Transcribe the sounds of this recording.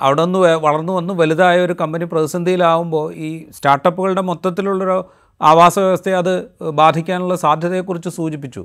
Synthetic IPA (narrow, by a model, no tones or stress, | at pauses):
ɐ̰ʋiɽeo̞nːuʋʋɐɭɐrnːuʋɐnːuʋɐliðaːjɐo̞ɾukɐmbɐniprɐðisɐnd̪ʱijilaːʋumbo̞ːiːstaːrʈːɐpːuɣɐɭɨɽe̞mot̪ːɐt̪ːiluɭːoɾo | aːʋaːsɐʋjɐʋɐst̪ʰe̞ɐðɨbaːd̪ʱikʲːaːnuɭːɐsaːd̪ʱjɐðɐjekːurit͡ɕːɨsuːd͡ʑipːit͡ɕːṵ